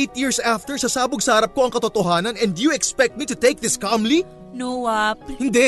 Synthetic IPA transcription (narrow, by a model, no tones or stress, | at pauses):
jt̪̚jiːɹsaft̪ɛɹsɐsaːbʊɡsɐhɐɾɐp̚ko̞ʔɐŋkɐt̪ot̪oɦaːnɐnɛ̃nd̪ʊjuɛkspɛk̚t̪̚mit̪ʊt̪ejk̚ðɪskɑmli | noɐp̚hɪnd̪ɛ